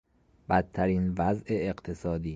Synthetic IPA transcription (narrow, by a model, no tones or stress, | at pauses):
b̥æt̪ʰːæɾiːnvæzʔeːɢt̪ʰe̞sɒːd̪iː